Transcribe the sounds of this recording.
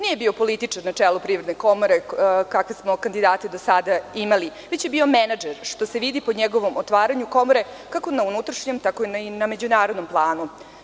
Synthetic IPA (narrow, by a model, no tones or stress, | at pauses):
nije̞bio̞po̞lit̪it͡ʂaɾnat͡ʂeːlupɾiːʋɾed̪neko̞moɾekakasmo̞kand̪id̪aːt̪ed̪o̞sad̪aimaliʋet͡ɕjebio̞menad͡ʒeɾʂt̪o̞seʋid̪ipo̞ɲeɡo̞ʋo̞mot̪ʋaːɾaɲuko̞moɾe̞ | kako̞naunut̪ɾaʃɲemt̪ako̞ininamed͡ʑunaːɾod̪no̞mplˠaːnu